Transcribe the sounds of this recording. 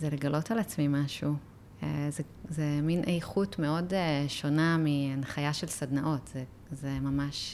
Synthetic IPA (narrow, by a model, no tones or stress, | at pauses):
zeleɡalo̞talat͡smimaʃu | eze | zeminʔejχutme̞o̞deʃo̞namianχajaʃelsadnaʔo̞tz̥e | zemamaʃ